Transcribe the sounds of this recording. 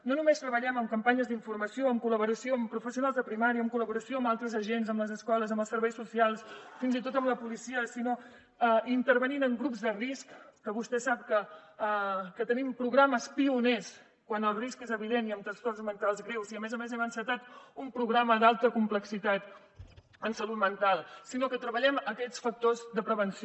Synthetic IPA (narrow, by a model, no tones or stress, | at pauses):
nonumest̪ɾəβəʎɛməmkəmpaɲəzðiɱfurməsioəmkuləβuɾəsioəmpɾufəsiunalˠzðəpɾimaɾiəːmkuləβuɾəsioəmbalˠt̪ɾəzəʒenzəmləzəskɔləzəmbəlˠsəɾβɛjsusialˠsfinzit̪ot̪əmləpulisiəsino | əint̪əɾβəninəŋɡɾupzd̪əriskːəβust̪ɛsap̚kə | kət̪ənimpɾuɣɾaməspiunes | kwanəlˠriskezəβiðeniəmt̪ɾəst̪orzmənt̪alˠzɣɾewziəmɛzəmezɛmənsət̪at̪umpɾuɣɾaməd̪alˠt̪əkumpləksit̪at̪ | ənsəlut̪mənt̪alˠsinokət̪ɾəβəʎɛməkɛt͡sfək̚t̪ozðəpɾəβ̞əns